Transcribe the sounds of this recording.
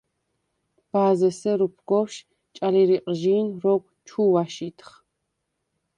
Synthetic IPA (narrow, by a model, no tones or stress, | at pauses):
b̥aːzɛsɛɾupʰɡɔwʃ | t͡ʃʼaliɾiqʼʒiːnɾɔkʷʰt͡ʃʰuwaʃit̪ʰχ